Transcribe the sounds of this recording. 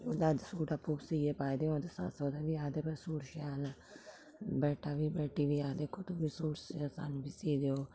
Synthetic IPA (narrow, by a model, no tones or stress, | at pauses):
oːd̪ad̪suːʈaːpʰuːksiːepaːid̪eːõːd̪esa̰soːd̪eʋiːaːd̪eːbəsuːɽʃaːl | bɛːʈʰːaːʋiːbɛːʈiːʋiːaːd̪eːkʰːoːt̪uːbiːsuːɾssa̰ːnːbiːsiːd̪eoː